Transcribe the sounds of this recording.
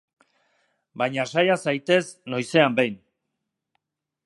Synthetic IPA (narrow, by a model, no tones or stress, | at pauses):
bajɲasajasajt̪e̞sno̞jse̞ambe̞jn